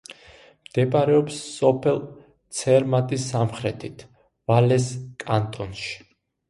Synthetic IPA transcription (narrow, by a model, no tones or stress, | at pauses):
md̪̥ɛpʼaɾɛɔpsːɔpʰɛlˠ | t̪sʰɛɾmat̪ʼisːamχɾɛt̪ʰit̪ʰ | valɛskʼant̪ʼɔnʃi̥